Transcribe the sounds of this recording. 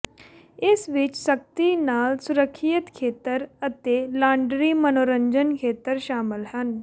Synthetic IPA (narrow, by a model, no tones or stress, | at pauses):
esʋiːt͡ʃsək̚t̪inaːlsuɾəkʰːijət̪kʰeːt̪əɾət̪elaɳɖɾimənoːɾəɲd͡ʑənkʰet̪əɾɕaːməlɦan